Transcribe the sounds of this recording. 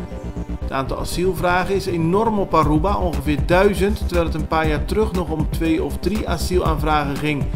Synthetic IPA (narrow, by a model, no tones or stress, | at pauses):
ətaːntɑ̰lˠasilˠvraːɣəɪsenɔrmɔparubaʔɔŋɣəvɪːɹdœɥzəntːərʋɛlˠɦətənpaːɹjaːɹtrɵχnɔχɔmtʋeːɔfdriʔasilˠa̰ːnvraːɣəχɪŋ